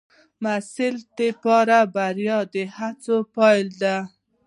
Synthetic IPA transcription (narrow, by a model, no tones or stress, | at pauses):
masɪlt̪epɑɾabaɾjɑd̪əhat͡sopɑjld̪a